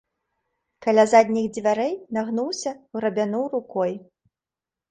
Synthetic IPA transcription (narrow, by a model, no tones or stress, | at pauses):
kalʲazad̪ʲnʲiɣd͡zʲvʲaɾɛjnaɣnuwsʲɐuɾɐbʲanuwrukɔj